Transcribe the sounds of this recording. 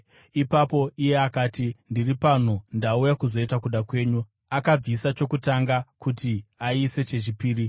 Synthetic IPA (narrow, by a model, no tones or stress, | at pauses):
ipapo̞ʔije̞akaːtindiripan̤undaujakuzo̞itakuɗakwe̞ːɲu | akab͡visat͡ʃo̞kutaŋɡakutiaise̞t͡ʃe̞t͡ʃipiːri